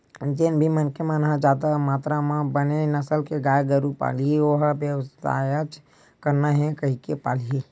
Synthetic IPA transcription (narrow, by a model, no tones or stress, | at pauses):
d͡ʒenbʱimənkemə̃nɦãd͡ʒaːd̪amaːt̪ɾamãbənenɐsəlkeɡaːjɡəɾupa̰ːliioɦbjəwst̪a̰ːjət͡ʃ | kɐɾnaɦɛkɐɦikepaːlii